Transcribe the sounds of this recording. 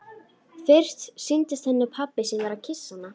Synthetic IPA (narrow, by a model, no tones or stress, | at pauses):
θɪr̥t̪sɪnt̪ɪst̪θɛnːɪpʰapɪsiːnaɾacʰɪsːanːa